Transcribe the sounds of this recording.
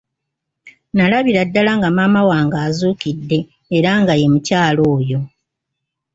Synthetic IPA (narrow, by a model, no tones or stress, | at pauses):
nalaβiɾadːalaŋɡamaːmawaːŋɡaːzuːkidːe̞ː | ɾaŋɡaje̞mucaːlo̞ːjo̞